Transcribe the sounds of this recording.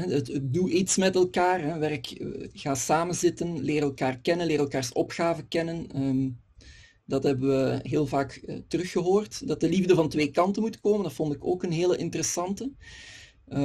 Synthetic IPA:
ɦɛətət̚duʔitsmɛtɛlˠkaːrɦɛʋɛrkɣaːsaːmənzɪtənlɪːɾɛlˠkaːrkɛnənlɪːɾɛlˠkaːrsɔpxaːvəkɛnənəm | dɑtɦɛbəʋəɦeːlˠvaːkə̰tərɵxːəɦoːrtdɑt̚dəlivdəvɑntʋeːkɑntənmutkoːməndɑtfɔntɪkoːkənɦeːləʔɪntəɾəsɑntə

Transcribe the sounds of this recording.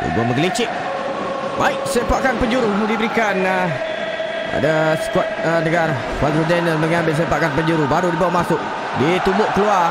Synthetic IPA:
dṵɡaməɡlit͡ʃɪk̚ | baɪk̚səmpaʔkanpəɲd͡ʒuɾudibəɾikan | a̰dasə̥kwat̪̚ənəɡaɾasə̥kwat̪ɾudɛnəlməŋãmbɪls̬əmpaʔkanpəɲd͡ʒuɾubaɾudibawaʔmasʊʔ̚ | dit̪ubʊʔkəlua

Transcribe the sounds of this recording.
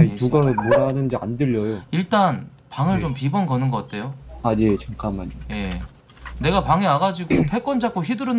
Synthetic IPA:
ituɡamoɾanɯndea̰ndɯʎːʌjoiɭt͈an | paŋɯɭt͡ɕompibʌnɡʌnɯnɡʌk͈at̚ʰe̞joaɲet͡ɕʰʌŋkʰamaɲije̞ | ne̞ɡapaŋiaɡad͡ʑiɡopʰe̞k͈ʌnd͡ʑak͈oçidɯɾɯ

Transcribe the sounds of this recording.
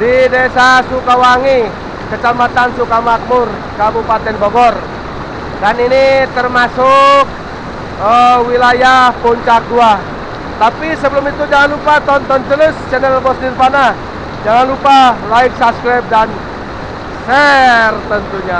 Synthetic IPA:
didesasukawaŋi | kət͡ʃamat̪ansukamak̪̚mʊr | kabupat̪ɛnbɔɡɔr | daninit̪ərmasʊk̚ | əwilajahpuɲt͡ʃak̚dua | t̪apisəbəlʊmit̪ud͡ʒaŋanlupat̪ɔnt̪ɔnt̪ələst͡ʃɛnɛlbɔsnirpana | d͡ʒaŋanlupalaɪk̚sasklap̚dan | sɛrt̪ənt̪uɲa

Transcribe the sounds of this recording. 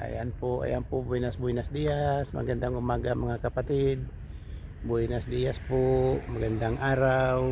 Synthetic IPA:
ʔa̰janpʊʔa̰jaŋpʊbuinasbuinasd̪iasma̰ɡand̪aŋumaɡamaŋakapat̪ɪd̪̚ | buinasd̪iaspʊmaɡand̪aŋaɾaw

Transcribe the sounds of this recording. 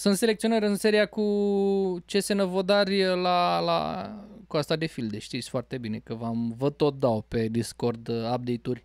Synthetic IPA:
sunt̪se̞lekt̪sio̞nəɾʲɨnse̞ɾijaku | t͡ʃe̞se̞nəvod̪arʲəlala̰kuast̪ad̪e̞fild̪eʃt̪it̪sʲfoart̪e̞bine̞kəvamvət̪ːot̪̚d̪aope̞d̪iskord̪ap̚d̪e̞jt̪urʲ

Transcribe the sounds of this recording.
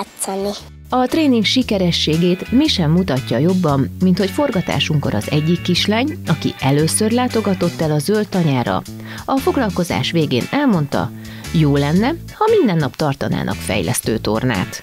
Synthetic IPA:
t̪sɔni | ɒt̪reːniŋkʃikɛɾɛʃːeːɡeːt̪miʃɛmːut̪ɒcːɒjo̞bːɒmːint̪hocfo̞rɡɒt̪a̰ːʃuŋko̞̰ɾɒzɛɟːikːiʃlaːɲɒkḭʔɛløːsørlaːt̪o̞ɡɒt̪o̞t̪ːɛlɒzølt̪ɒɲaːɾɒ̰ | ɒfo̞ɡlɒlko̞za̰ːʃʋeːɡeːnɛlmo̞n̪t̪ɒ̰ | joːlɛnːɛ | hɒmind̪ɛnːɒpt̪ɒrt̪ɒna̰ːnʔɒ̰kfɛ̰jlɛ̰st̪øːt̪o̞̰rna̰ːt̪

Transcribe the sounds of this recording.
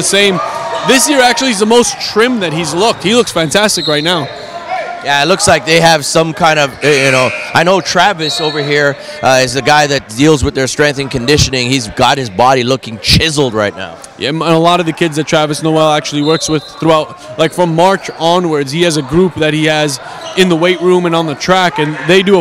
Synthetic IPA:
ɨsẽɪ̃mðɪsjɪɹæk̚t͡ʃʉl̩ˠiɨzðəmoʊstʰɹ̥ɪ̃mðɨt̚hizlʊk̚t̚hilʊksfæ̃ntʰæstɨkɹaɪtⁿnaʊ | jæɪtlʊkslaɪk̚ðeɪɨv̥sʌ̃mkʰãɪ̃ndʌvjɨñoʊʔaɪnoʊtʰɹ̥ævɨsoʊvə˞ɦiɹ | ʔʌɪzɨɡaɪðɨt̚d̥ilˠzwɨðə˞stɹ̥ɛ̃ŋk̚θɨ̃ŋkʰɨ̃ndɪʃɨnɪ̃ŋizɡɑt̚hɨzbɑɾilʊkɪ̃ŋt͡ʃʰɪzl̩ˠd̚ɹaɪtⁿna̰ʊ | jæ̰ə̃nəlɔɾʌvðɨkʰɪdzðɨtʰɹ̥ævɨsnoʊwɛlˠæk̚t͡ʃʉl̩ˠiwɜ˞kswɨð̥θɹuaʊt̚ | laɪkfɹʌ̃mːɑɹt͡ʃɑ̃nwə˞dz̥hiɨzɨɡɹup̚ðɨt̚hiɨz | ɨ̃nðəweɪtɹũmɨ̃nə̃nðɨtʰɹ̥ækɨ̃nðeɪdɨə

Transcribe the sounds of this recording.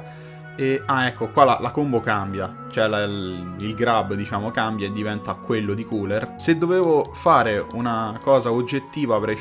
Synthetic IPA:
eaɛkːokwala̰lakombokambja | t͡ʃoɛlailɡɾabːd̪it͡ʃaːmokambjaed̪ːivɛnt̪akwelːod̪ikuːlersed̪ːoveːvofaːɾeunakɔːzaod͡ʒːet̪ːiːvapɾe

